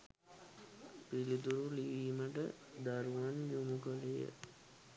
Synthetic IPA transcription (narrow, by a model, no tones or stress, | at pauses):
pilid̪uɾuliʋiːməʈə̰ | d̪aɾuʋanjumukəlejə̰